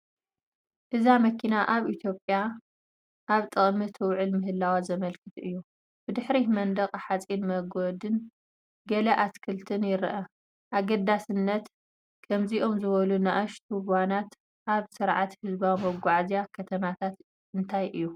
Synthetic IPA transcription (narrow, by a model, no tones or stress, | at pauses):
ʔɨzamɐkʰinaʔaβʔit̪ʰjo̞pʼja | ʔaβt̪ʼɨχʼmɨt̪ʰɨwʕɨlmɨɦɨlːawazɐmɐlkʰɨt̪ʰɨjːu | b̥ɨd̪ɨħɾimɐnd̪ɐqʼħat͡sʼinmɐɡod̪ɨn | ɡɐlɐʔat̪kʰɨlt̪ʰɨnjɪɾʔɐ | ʔaɡɐd̪asɨnːɐt̪ | kʰɐmziʔo̞mzɨβɐlunaʔaʃt̪ʰuwanat̪ | ʔaβsɨɾʕat̪hɨzbawmɐɡʷaʕzijakʰɐt̪ʰɐmat̪ʰat̪ | ɨnt̪ʰajʔɨjːu